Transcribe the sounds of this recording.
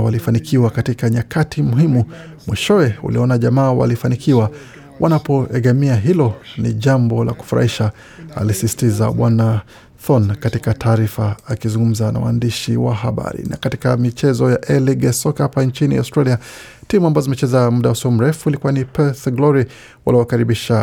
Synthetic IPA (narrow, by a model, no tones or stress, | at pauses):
walifanikʰiwakatikaɲakatʰimuɦimu | mwiʃɔwɛṵlḭɔnaʄamaːwa̰lifanikʰiwa | wʔanapɔʔɛɡɛmiaɦilɔnḭʄambɔla̰ku̥fuɾa̰hiʃa | a̰lisisi̥tizaɓwana | θɔnkatikatʰaːɾifaːkizuŋɡum̩zana̰wa̰ːndiʃiwa̰ɦaɓa̰ɾḭnakatikamit͡ʃɛzɔjaʔɛliɡɛsɔkhapant͡ʃinḭa̰wstɾalia | timuambazɔzimɛt͡ʃɛzamuɗawasɔɔm̩ɾɛfuilikuwanipɛθɡlɔɾi | wa̰liwakaɾiɓiʃa